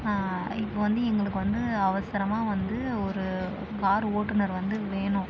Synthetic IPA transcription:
aː | ɪpːoʋɐnd̪ɯɛŋɡɐɭɯkːɯʋɐnd̪ɯɐʋɐsɪɾɐmaːʋɐnd̪ɯɔɾɯ | kaːɾoːʈːɯnɐɾʋɐnd̪ɯʋeːɳʊ̃

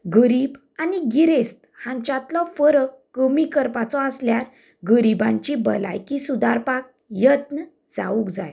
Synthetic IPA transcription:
ɡəɾib | aniɡiɾest̪hãɲt͡ɕat̪lɔfəɾəkːəmikəɾpat͡sɔəsljaɾ | ɡəɾibãɲt͡ɕibəla̰jkisud̪aɾpak̚ | jət̪nə | d͡za̰ukd͡za̰j

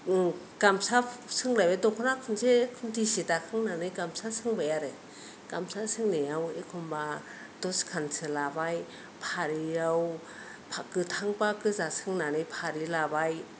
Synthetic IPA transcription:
ɡ̥amsapsɯŋlajbajdɔkʰɔnakʰɯnsekʰɯntisitakʰɯŋnanɯjɡamsasɯŋbajaɾe | ɡ̥amsasɯŋnejawekʰɔmba | dɔskʰansʰɯlabaj | pʰaɾiaw | pʰakɯtʰaŋpakɯzasɯŋnanɯjpʰaɾilabaj

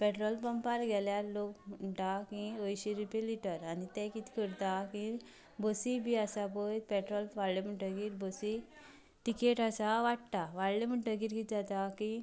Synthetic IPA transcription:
pɛʈɾɔlpəmpaɾɡʱɛljalokm̤əɳʈakĩəjɕiɾipeliʈəɾanit̪ɛ̃kit̪i̥kəɾt̪akĩ | bəsibiasapəjt̪pɛʈɾɔlʋaɭlem̤əɳʈəɡiːɾbəsi | ʈikeʈasaʋaʈ̚t̪aʋaɭlem̤əɳʈəɡiːɾkit̪d͡zat̪akĩ

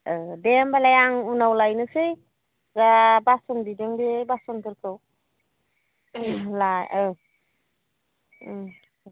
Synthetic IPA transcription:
ɯdembalajaŋunawlajnɯsɯj | zabasɔnbideŋbebasɔnkʰɯɾkʰɯw | lajɯ

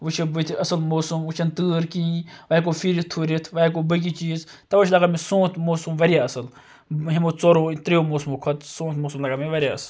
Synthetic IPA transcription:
ʋut͡ʃʰibɨt̪ʰɐsɨlmoːsumut͡ʃʰɐnt̪ɨːɾkĩːʋɐk̬ofʰiɾit̪ʰuɾit̪ʰʋɐik̬obək̬it͡ʃiːzt̪ɐʋɐt͡ʃʰlɐɡamisõːt̪ʰmoːsumʋɐɾijaɐsɨl | ɦimot͡soɾoːt̪ɾiomoːsumukʰɐt̪sõːt̪ʰmoːsumlɐɡameʋɐɾʲjaɐs

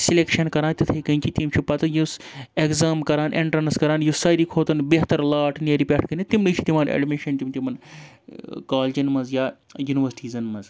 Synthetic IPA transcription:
silekʃɐnkɐɾaːnt̪ʲit̪ʰɐjkɐnʲt͡ʃit̪imt͡ʃʰupɐt̪ɨjus | ekzaːmkɐɾaːnʔeɳʈɐɾnɐskɐɾaːnjusaːjɾikʰoːt̪ɐnbeɦt̪ɐɾlaːʈʰneɾipʲeʈʰkɐnit̪imɖit͡ʃʰi̥t̪imɐnḛɖmiʃɐnt̪ʲimt̪ʲimɐn | kaːld͡ʒɐnmɐzjaːjuniʋɐsʈiːzɐnmɐz

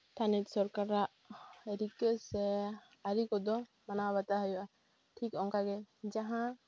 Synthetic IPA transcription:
t̪ʰanit̪̚sɔɾkaɾaʔ | ɾikəʔsɛ | aɾikɔd̪ɔ | manaβat̪aɦəjɔʔa | ʈʰikɔŋkaɡɛd͡ʒaɦã

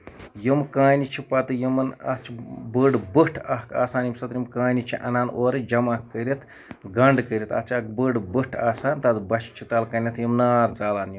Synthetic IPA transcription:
jimkãːnʲit͡ʃʰipɐt̪ɨjimɐnɐ̰t͡ʃʰibəɖbɨʈʰɐɦkʰa̰ːsaːnjimsɐt̪jʲimkãːnit͡ʃʰiʔɐ̰naːnʔoːɾɨd͡ʒɐmakːəɾʲit̪ʰ | ɡɐɳɖkəɾʲit̪ʰɐ̰t͡ʃʰɐkbəɖbɨʈʰaːsaːnʲt̪ɐd̪bɐʃʰt͡ʃʰit̪ɐlkɐnʲɐt̪ʰjimnaːɾd͡zaːlaːnjim

